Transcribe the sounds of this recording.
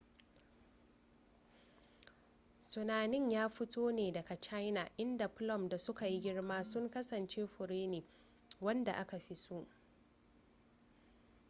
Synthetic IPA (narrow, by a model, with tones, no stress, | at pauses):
tʊ˨naː˨nɪ˦ɲjaː˦ɸɪ˦toː˦neː˨dɐ˨ka˨t͡ʃa˦jna˨ʔɪ˦nda˨pʊ˦lɔ˦˨mda˨sʊ˦ka˨ji˦ɡʲɪ˦ɽmaː˦sʊ˦ŋkɐ˦sɐ˨nt͡ʃeː˦ɸʊ˨ɽeː˦neː˨ | wɐ˦nda˨ʔa˦ka˨ɸi˦su˦ʔ